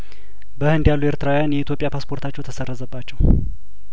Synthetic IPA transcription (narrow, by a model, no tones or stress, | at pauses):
bəhɨnd̪jalːue̞ɾt̪ʰɨɾawjanjɛit̪jo̞pʼjapʰaspʰo̞ɾt̪ʰat͡ʃːɛwt̪ʰəsərːəzəbːat͡ʃːɛw